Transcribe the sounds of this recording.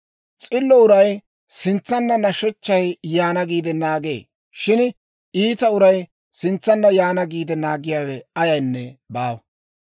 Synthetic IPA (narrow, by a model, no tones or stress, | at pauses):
t͡sʼɪlːɔʊɾɐj | sɪnt͡sːɐnːɐnɐʃɛt͡ʃːɐjjaːnɐɡiːd̪ɛnaːɡe̞̰ː | ʃɪn | iːt̪ɐʊɾɐj | sɪnt͡sːɐnːɐjaːnɐɡiːd̪ɛnaːɡɪjaːwɛɐjɐjnːɛbaːwɐ